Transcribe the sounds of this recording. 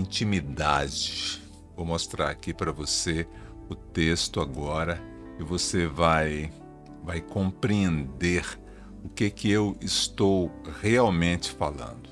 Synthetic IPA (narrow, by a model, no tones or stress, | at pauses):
ĩnt͡ʃimid̪ad͡ʒɪ | vowmost̪ɾaɾakipɾɐvose | ʊt̪est̪ʊaɡɔɾɐ | ɪvosevaj | vajkõpɾiẽnd̪eɾ | ʊkekɪewɪst̪owheawmẽt͡ʃɪ̥falɐ̰̃nd̪ʊ